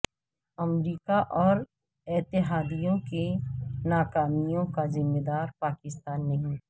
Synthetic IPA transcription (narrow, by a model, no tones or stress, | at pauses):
ɐmɾiːkaʔɔːɾ | ɪt̪ɪɦaːd̪ijõkenaːkaːmijõkazɪmːed̪aːɾpaːkɪst̪aːnːɐɦĩ